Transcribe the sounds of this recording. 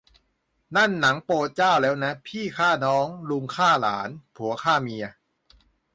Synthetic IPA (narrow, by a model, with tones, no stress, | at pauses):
na˥˩nːa˩˦ŋpoː˧t̪̚t͡ɕaː˥˩wlɛː˦˥wna˦˥pʰiː˥˩kʰaː˥˩nɔː˦˥ŋlu˧ŋkʰaː˥˩la̰ː˩˦npʰu˩˦ɐkʰaː˥˩mi˧ɐ